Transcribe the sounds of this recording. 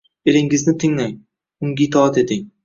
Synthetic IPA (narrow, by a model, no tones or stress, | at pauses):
elɪŋɪznɪt̪ʰɪŋlaŋ | ʊŋɡʲit̪ʰɒat̪e̞t̪ɪŋ